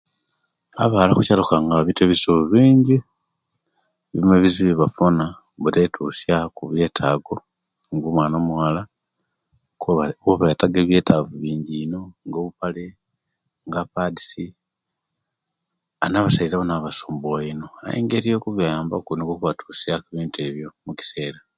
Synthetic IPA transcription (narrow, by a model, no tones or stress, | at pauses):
a̰βalakucalukaŋɡaβiteβisuβuβiːɲɟi | βimeβiziβiβafona | βuɾetʰusjakuβje̞ːtʰaːɡo̞ | ŋɡumwaːnomwaːla | koβetaɡeːβje̞ːtʰavuβiːɲɟiːno̞ŋɡo̞ːβupale | ŋɡapadi̥si | anaβasaizaβonaβasuːmbuaino̞a̰jḭːŋɡeɾijokuβijaːmbakunikokuβatʰu̥sjakuβiːntue̞βjo̞muci̥se̞ːɾa